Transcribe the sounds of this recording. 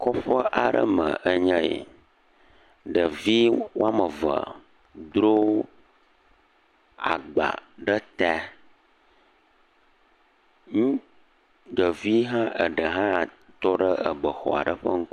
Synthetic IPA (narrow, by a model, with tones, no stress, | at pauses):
kɔ˦ɸə˦ʔa˨ɖə̰˦mə̰˨ʔə˨ɲə̃˦jḛ˨ | ɖə˨vi˦wo˦a˦mə˨və̰˨ | d̪ɾo˦ | a̰˨ɡ͡ba̰˨ɖə˦t̪ɛ˦ | ŋũ˦ | ɖə˨vi˦ɦã˦ʔə˨ɖə˨ɦã˦˨t̪ɔ˦ɖə˦ə˨bə˨xɔ̰˨a̰˨ɖə˦ɸə˦ŋ̩˦k